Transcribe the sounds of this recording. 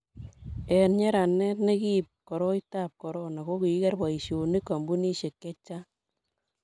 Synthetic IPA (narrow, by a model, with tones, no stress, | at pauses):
ɛ˨nɲɛ˦ɾa˨nːɛ˦tne˦ki˦p̚kɔ˨ɾɔ˦ita˦p̚kɔ˨ɾɔ˦na˨ko˦ki˨i˦kɛ˦rba˨i˨ʃo˨ni˦kːa˨mbu˦ni˦ʃe˨kːɛ˦t͡ʃːa˦